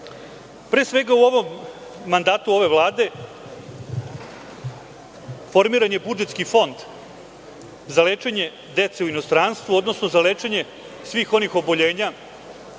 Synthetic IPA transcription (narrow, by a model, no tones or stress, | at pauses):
pɾeːsʋe̞ɡauo̞ʋo̞mː | and̪aːt̪uo̞ʋe̞ʋlˠaːd̪e̞ | fo̞ɾmiːɾaɲe̞bud͡ʒet̪skifo̞nd̪ | zaleːt͡ʃe̞ɲe̞ | d̪e̞t̪se̞uino̞st̪ɾanst̪ʋuo̞d̪no̞sno̞zaleːt͡ʃe̞ɲe̞ | sʋiːxo̞nixo̞bo̞ʎe̞ːɲa